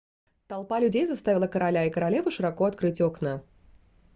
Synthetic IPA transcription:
t̪ɐlˠpalʲʉdʲejzɐst̪avʲɪlˠəkəɾɐlʲaɪkəɾɐlʲe̞vɨʂɨɾɐkoɐt̪kɾɨtʲoknə

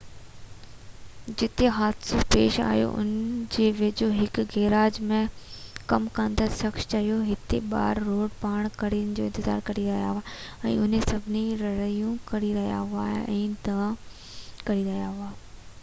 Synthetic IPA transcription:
d͡ʑɪt̪eɦaːd̪supeːʃa̰ːɦjo̰ʔʊ̰nd͡ʑeːʋɪd͡ʑoɦɪkɡeːɾaːd͡ʑmẽkɐmkãːnd̪asɐkʃt͡ɕɐɦijoɦɪt̪eɓa̰ːɾːoːɽpaːɽ̃kɐɾijənɪ̆d͡ʑoːɪ̃nt̪ɪza̰ːɾkɐɾiɾɐɦija̰ɦʊaɛ̰̃ːʊn̤esɐbʱɪniɾɐɾəijũkɐɾiɾɐɦija̰ɦʊa̰ɛ̰̃ːd̪ɐʋã | kɐɾiɾɐɦijaɦʊaː

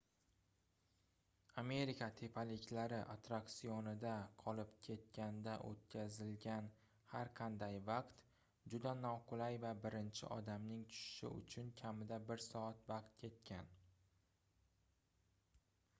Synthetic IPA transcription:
ame̞ɾikʰat̪ʰe̞pʰalɪkʲlaɾɪʔat̪ɾakt̪sijonɪd̪aqʰɒlɪpkʲʰe̞t̪̚kʲʰand̪aʔo̰t̪̚kʲazɪlɡʲan | haɾqʰɑnd̪ajvaqt̪ | d͡ʒʊd̪anɒqʰʊlajvabɪɾɪnt͡ʃʰɪ̰ʔɒd̪amnɪŋt̪ʰʊ̥ʃɪ̥ʃɪ̰ʊ̰t͡ʃʰʊnkʲʰamɪd̪abɪɾsɒat̪vɑq̚t̪̚kʲʰe̞t̪̚kʲʰan

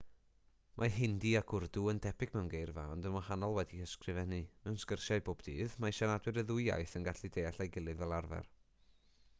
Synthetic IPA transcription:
mʔaɦɪndiaɡʰʊrduəntʰɛpʰɪɡ̥̚mɛwnɡejrva̰ɔndənmahanɔlˠwɛdihəskrɨvɛnimɛwnskərʃaɨboːb̥d̥iːðmaʃanadwɨɾəðʊjja̰jθənɡaɬidejaɬajɡɪlˠɨvvɛlˠarvɛ̰r

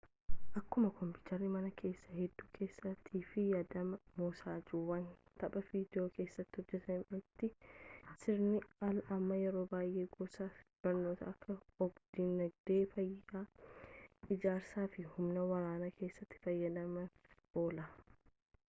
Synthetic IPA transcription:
ʔɐkːʊmɐkɔmpuːt̪ɐɾːɪmɐnɐkʰe̞ːsːɐhɛd̪ːuːkʰe̞ːsːɐt̪ʰːiːfɪjɐd̪ɐmɐmoːsaːd͡ʒuwɐnt̪ɐɓɐviːd̪ɪoːkʰe̞ːsːɐt̪ːɪhɔd͡ʒːɛt̪ʰɐnɪt̪ːɪsɪɾnɪɐlʔɐmːɐjɛɾo̞ːbaːjʔe̞ːɡɔsaːfɪ̥b̥ɐɾno̞ːt̪ɐʔɐkʰːɐɔɡd̪̥ɪnːɐɡd̪e̞ːfɐjːaː | ʔɪd͡ʒaːɾsaːfɪhʊmnɐwɐɾaːnakʰe̞ːsːɐt̪ːɪ̥fɐjːɐd̪ɐmɐʔo̞ːlɐ

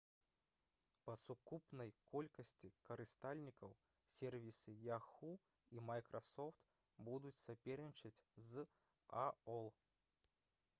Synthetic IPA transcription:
pɐsukupnɐjkɔlʲkɐsʲt͡sʲikɐɾɨst̪alʲnʲikɐw | sʲɛrvʲisɨjaxu | imajkɾɐsɔft̪ | bud̪ut͡sʲsapʲɛrnʲit͡ʂɐt͡sʲz | aɔlˠ

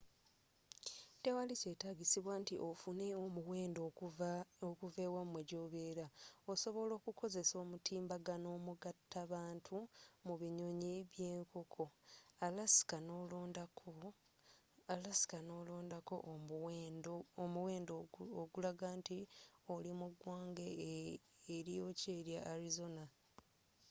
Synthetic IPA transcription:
tewalise̞ːtaɡisiβwaːntiʔofune̞omuweːndo | okuve̞ːwamweɟo̞ːβe̞ːɾaoso̞βo̞lo̞ːkuko̞ze̞so̞ːmutʰiːmbaɡano̞ːmuɡatːaβaːntʰumuβiɲo̞ɲeβje̞ːŋkʰo̞kʰo̞alasi̥kanoloːndakʰo | alasi̥kano̞ːlo̞ːndako̞̰ʔndoomuwe̞ːndooɡulaɡaːntiolimuɡwaːŋɡeː | ɾijo̞ːceːɾjaːlizo̞na

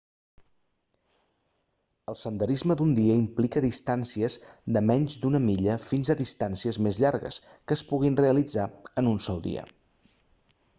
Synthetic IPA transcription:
əlˠsənd̪əɾizməd̪und̪iəimplikəðist̪ansiəzðəmɛɲzd̪unəmiʎəfinzəðist̪ansiəzmezʎaɾɣə̰skəːspuɣinreəlid͡zaənunsɔlˠd̪ḭə̰

